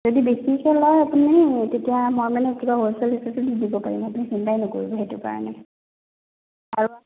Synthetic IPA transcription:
zodibesikʰɛlɔjapunitetijamɔjmanɛotʰikaɦosɔlesasudidibɔpaɹḭmapunixintajnɔkoɹibɔɦetʊka̰ɹɔ̰nɛ | aɹu

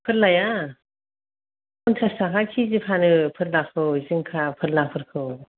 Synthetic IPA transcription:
pʰɯt̚laja | ɔntʰasakʰakʰizipʰanɯpʰɯt̚lakʰɯwzɯŋkʰapʰɯt̚lapʰɯt̚kʰɯw

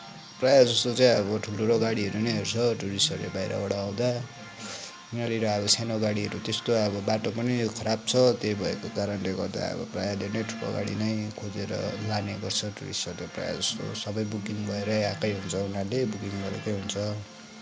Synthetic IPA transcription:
prajad͡zʌst̪ot͡saĩʌβʌʈʰuloɾoɡaɽiɦʌɾunʌɦʌɾut͡sʰʌʈuɾisʌrlḛbajɾa̰ʌɽaːw̃d̪a | unaɾiɾʌʌbʌt͡sʰanoɡaɽiɦʌɾut̪est̪oʌbʌbaʈopʌnikʰʌɾab̚t͡sʰʌt̪ejbʱʌekokaɾʌnleɡʌrd̪a̰ʌ̰bʌ̰prajad̪enʌjʈʰupo̰ɡa̰ɽḭnʌjkʰod͡zeɾʌ̰laneɡʌrt͡sʰʌʈuɾḭsʌrt̪epra̰ja̰d͡zʌst̪o̰sʌbʌjbukiŋbʱʌeɾʌjakʌjɦunt͡sʰʌunalebukiŋbʌɾḛkʌjɦunt͡sʰʌ

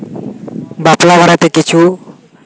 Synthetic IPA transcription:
bat̪labaɾat̪eket͡ʃʰu

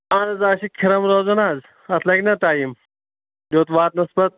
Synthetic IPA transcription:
aːnɐzaːɕikʰiɾɐmɾoːzɐnaːz | ɐt̪ʰlɐɡʲnɐt̪aːjim | d̪oːt̪ʋaːt̪nɐsbɐt̪̚

